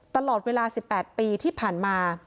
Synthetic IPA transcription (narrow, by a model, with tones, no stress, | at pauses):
t̪a˧lɔː˨˩t̪̚weː˧laː˧si˨˩pːɛː˨˩t̪̚piː˧t̪ʰiː˥˩pʰaː˨˩nmaː˧